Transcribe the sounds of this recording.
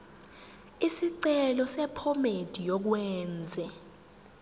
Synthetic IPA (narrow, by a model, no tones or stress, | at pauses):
isiǀɛlɔsɛpʰɔmed̥ʱijɔk̬wɛːnd͡zʱɛ